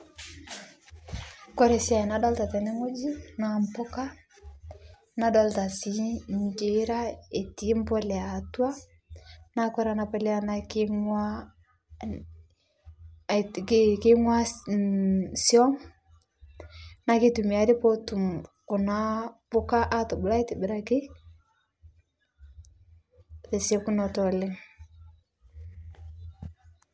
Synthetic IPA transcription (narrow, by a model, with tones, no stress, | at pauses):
kɔ˦ɾɛ˨si˦a˨i˨na˦dɔ˦lta˨tɛ˨nɛ˦ŋo˦d͡ʒi˦na˨mpɔ˦ka˦ | na˨dɔ˦lta˨si˦ɲd͡ʒe˦ɾa˦e˨ti˨˦m˦bɔ˦lɛ˨a˨twa˦ | na˦kɔ˦ɾa˨na˨pɛ˦lɛ˦a˦nakŋwa | kkɪ˦ŋwa˦ | siɔ˦ŋ | na˦kɪ˦tu˨m˨a˨ɾɪ˦pɔ˦tu˨mkʊ˨na˦pʊ˦ka˦ʔa˦tɔ˨bʊ˨la˦i˦tɪ˨bɪ˨ɾa˦˨kɪ˦ | ðe˨se˦ku˦nɔ˨tɔ˨le˦ŋ